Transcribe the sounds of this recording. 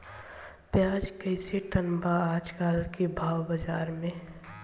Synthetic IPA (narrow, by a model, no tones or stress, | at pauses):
pjaːd͡ʒkɛɪseʈənbaaːd͡ʒkaːlkebʱaːwbəd͡ʒaːɾmẽ